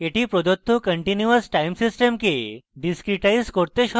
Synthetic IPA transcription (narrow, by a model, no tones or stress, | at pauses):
eʈiːpɾod͡ʑ̪ot̪ʰːokəɳʈinjuəsʈaimsisʈemkeɖiskɾiʈaiskoɾt̪eɕɔ